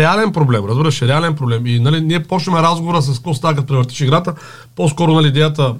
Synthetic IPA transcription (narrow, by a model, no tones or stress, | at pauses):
ɛalɛnpɾoblɛmɾəzbiɾəʃɛɾɛalɛnpɾoblɛminɐliniɛpɔt͡ʃnəmɛɾazɡovoɾəs̬ɐskost̪ak̬ət̪̚pɾɛvəɾt̪i̥ʃiɡɾat̪ə | poskɔɾʊnɐlʲiːd̪ɛjət̪ə